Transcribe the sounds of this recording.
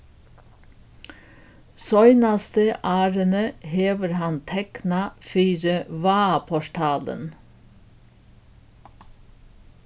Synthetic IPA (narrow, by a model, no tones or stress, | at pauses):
sœʏnɑst̪əʔæːɾənəheːʋəɾhɑnt̪ʰɛknɑfyːɾəʋɑːpʰɔʃʈʰɑːlə̰n